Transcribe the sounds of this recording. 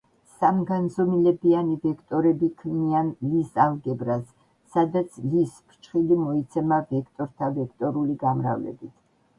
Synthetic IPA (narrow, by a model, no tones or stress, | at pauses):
samɡanzɔmilɛbianivɛkʰt̪ʼɔɾɛbikʰmianlisalˠɡɛbɾasː | ad̪at̪sʰlispʰt͡ʃʰχilimɔit̪sʰɛmavɛkʰt̪ʼɔɾt̪ʰavɛkʰt̪ʼɔɾuliɡamɾa̰vlɛ̰bit̪ʰ